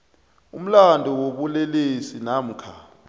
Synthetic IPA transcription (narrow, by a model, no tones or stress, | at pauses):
um̩landʱɔwoɓulelisinam̩kʰa